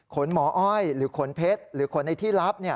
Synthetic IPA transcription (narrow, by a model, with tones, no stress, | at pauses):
kʰo˩˦nmɔː˩˦ʔɔ˥˩jɾɯː˩˦kʰo˩˦npʰe˦˥t̪̚ɾɯː˩˦kʰo˩˦nːa˧jt̪ʰiː˥˩la˦˥p̚ni˥˩